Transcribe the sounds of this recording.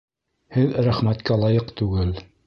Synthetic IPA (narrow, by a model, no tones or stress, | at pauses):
hɘðɾæχmæt̪kælˠɑjɤqt̪ʉɡɘl